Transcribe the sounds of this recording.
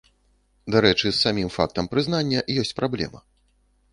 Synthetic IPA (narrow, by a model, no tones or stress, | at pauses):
d̪aɾɛt͡ʂɨsːamʲimfa̰k̚t̪ɐmpɾɨznanʲːɐjɔsʲt͡sʲpɾablʲɛ̰mɐ